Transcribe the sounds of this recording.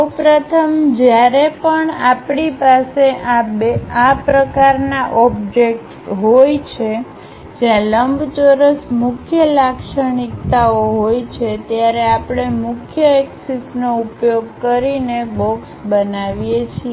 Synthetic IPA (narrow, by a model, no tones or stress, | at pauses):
səwpɾət̪ʰəmd͡ʒjaɾepəɳapɳipaseʔabeapɾəkaɾnaʔɔbd͡ʒek̚ʈ | ɦojt͡ʃʰe | d͡ʒjãləmbt͡ʃoɾəsmʊkʰjəlakʃəɳikt̪aoɦojt͡ʃʰet̪jaɾeapɽ̃emʊkʰjəeksisnoupjoɡ̚kəɾinebɔksbənaʋijet͡ʃʰie